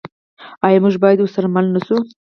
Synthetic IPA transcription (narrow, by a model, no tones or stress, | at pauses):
ɑjɑmuʒbɑjad̪wʊɾsaɾamalnasu